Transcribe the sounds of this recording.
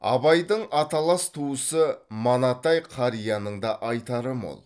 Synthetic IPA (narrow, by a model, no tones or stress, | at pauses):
ɑ̰bɑjd̪əɴɑt̪ɑlˠɑst̪ʰuəsəmɑnɑt̪ɑjqʰɑɾijɑnəɴd̪ɑʔɑjt̪ɑɾəmo̰lˠ